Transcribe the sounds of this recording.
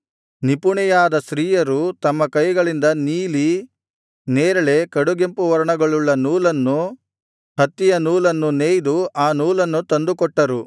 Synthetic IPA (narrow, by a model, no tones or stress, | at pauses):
nipuɳɛjaːd̪ɐsɾiːjɐɾut̪ɐmːɐkɐjɡɐɭind̪ɐniːli | neːɾɐɭe̞kɐɽuɡempuʋɐɾɐɳɐɡɐɭuɭːɐnuːlɐnːu | hɐt̪ːijɐnuːlɐnːuneːjd̪uaːnuːlɐnːut̪ɐnd̪ukɔʈːɐɾu